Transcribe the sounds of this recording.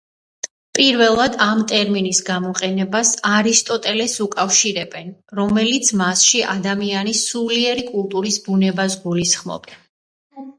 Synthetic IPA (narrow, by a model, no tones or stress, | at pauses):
pʼiɾvɛlˠad̪amt̪ʼɛɾminisɡamɔqʼɛnɛbasaɾist̪ʼɔt̪ʼɛlɛsukʼafʃiɾɛbɛnɾɔmɛlit̪sʰmasʃiʔad̪amianisuliɛɾikʼulˠt̪ʼuɾisbunɛbas̬ɡulisχmɔ̰b̥